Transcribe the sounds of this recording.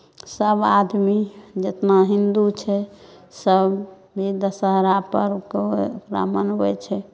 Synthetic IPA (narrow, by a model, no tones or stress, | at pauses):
səbad̪mid͡ʒet̪naɦind̪ut͡ʃʰɛsəb | bʱid̪əsəɦɾapəɾkkɾa̰mənɛ̰t͡ʃʰɛ